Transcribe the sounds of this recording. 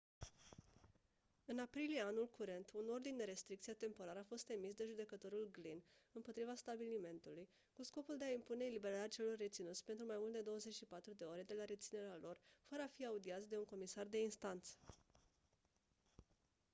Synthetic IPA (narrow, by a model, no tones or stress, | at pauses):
ɨnapɾilijeanulkuɾe̞nt̪ʰuno̞rd̪ind̪e̞ɾe̞st̪ɾikt̪siat̪e̞mpo̞ɾaɾəafo̞st̪e̞misd̪e̞ʒud̪e̞kət̪o̞ɾulɡlinɨmpo̞t̪ɾivast̪abilime̞nt̪uluj | kusko̞puld̪e̞aimpune̞ːlibe̞ɾaɾeat͡ʃe̞lo̞rːe̞t̪sinut̪sʲpe̞nt̪ɾumajmult̪d̪e̞d̪o̞wəze̞t͡ʃʃipat̪ɾud̪e̞o̞ɾe̞d̪e̞laɾet̪sine̞ɾealo̞rfəɾəafiaud̪iat̪sʲd̪e̞uŋko̞misard̪e̞inst̪ant̪sə̥